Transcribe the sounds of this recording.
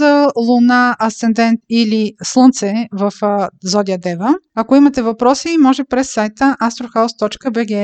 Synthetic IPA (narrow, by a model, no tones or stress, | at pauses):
ɐlˠʊnaʔɐsɛnd̪ɛnt̪ilislˠɤnt̪sɛvəfzɔd̪ʲiəd̪ɛvəɐkoimɐt̪ɛvɐpɾɔsimɔʒɛpɾɛsːajt̪əʔast̪ɾoxawst̪ɔt͡ʃkəbɛɡɛ